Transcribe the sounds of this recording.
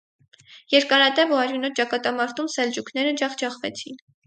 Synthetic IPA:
jɛɾkɑɾɑd̪ɛvuɑɾjunɔt̪̚t͡ʃɑkɑt̪ɑmɑɾt̪ʰumsɛld͡ʒukʰn̪ɛɾəd͡ʒɑχd͡ʒɑχvɛt͡sʰin

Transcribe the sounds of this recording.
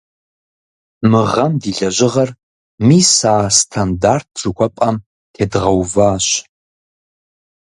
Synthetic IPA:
mɨʁɐmdiːɮɐʑɪʁɐr | miːsaːstʰandart̚ʰz̥ukʷʰɐpʼɐm | tʰeːdʁɐwvaːɕ

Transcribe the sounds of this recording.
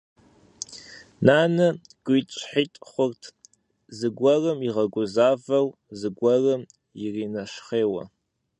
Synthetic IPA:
naːnɨ | ɡ̥ʷit͡ʃʼħiːtʼχʷʊrtʰ | zɨɡʷɔrɨmiʁɐɡʷʊzaːvɐwzɨɡʷɐrɨm | jɪriːnɐʃχeːwɐ̰

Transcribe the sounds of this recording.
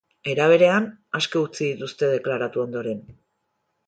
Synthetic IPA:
e̞ɾaβ̞e̞ɾe̞anaskeut͡siðit̪ust̪e̞ð̞e̞klaɾat̪uo̞nd̪o̞ɾe̞n

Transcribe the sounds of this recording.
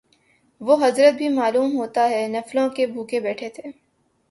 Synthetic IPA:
ʋoɦɐzɾət̪̚bʱimaːluːmɦoːt̪aɦɛnɐflõkebʱuːkebɛːʈʰet̪ʰeː

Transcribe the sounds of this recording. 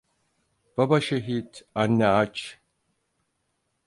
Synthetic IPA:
b̥abaʃeɦid̪anːɛat͡ʃ

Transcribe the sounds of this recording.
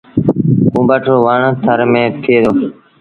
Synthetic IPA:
kũːbəʈʰoːʋəɳt̪ʰəɾmẽːt̪ʰeːd̪oː

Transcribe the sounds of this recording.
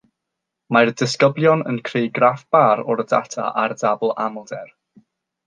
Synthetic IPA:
mardɪskəblˠjɔnə̰nkʰrejɡrafb̥aɾɔɾda̰tʰa̰ʔardablˠa̰mlˠdɛr

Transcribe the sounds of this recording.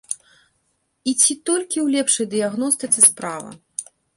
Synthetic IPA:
it͡sʲit̪ɔlʲkʲiwlʲɛpʂɐjd̪ɨjaɣnɔst̪ɨt̪sɨspɾavɐ̰

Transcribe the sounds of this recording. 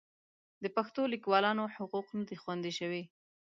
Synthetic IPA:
d̪əpaxt̪olikwɑlɑnoħʊquqnad̪ixwand̪iʃəwi

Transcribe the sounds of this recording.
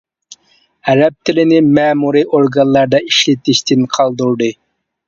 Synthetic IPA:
æɾɛp̚t̪ʰɪlɪnɪmɛːmuɾɨʔoɾɡɑnlːˠɑɾd̪ɑiʃlɪt̪ɪʃt̪ʰɪnqʰɑlˠd̪uɾd̪ɨ

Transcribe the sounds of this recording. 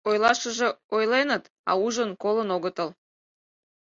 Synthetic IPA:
ojlɑʃəʒe̽ojlenət̪ | ɑ̰uʒənkolənoɣət̪əl

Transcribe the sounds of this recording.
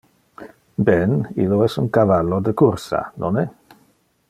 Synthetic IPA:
bɛniloɛsuŋkavalːod̪əkuɾsa̰nonɛ

